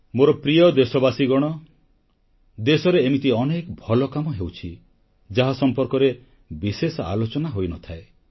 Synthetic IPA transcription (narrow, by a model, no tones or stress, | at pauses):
moɾɔpɾijɔd̪esɔbasiɡɔɽ̃ɔ | d̪esɔɾeːmit̪iɔnekɔbʱɔlɔkamɔɦewt͡ʃʰi | d͡ʒaɦasɔmpɔɾkɔɾe | bisesɔa̰lot͡ʃɔnaɦojnɔt̪ʰae